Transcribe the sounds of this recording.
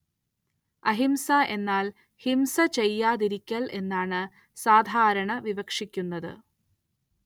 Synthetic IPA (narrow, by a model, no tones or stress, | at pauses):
ɐɦimsaʔe̞nːaːl | himsɐt͡ɕejːaːðiɾikʲːɐɭe̞nːaːɳɨ | saːd̪ʱaːɾɐɳɐʋiʋɐkʂikʲːunːɐðɨ̰